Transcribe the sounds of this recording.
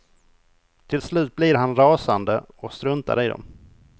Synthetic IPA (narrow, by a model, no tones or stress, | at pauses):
t̪ʰɪlslʉ̟ːt̪̚blɪɾɦanɾɑːsand̪ə | ɔst̪ɾɵnt̪a̰ɾɪd̪ɔ̰m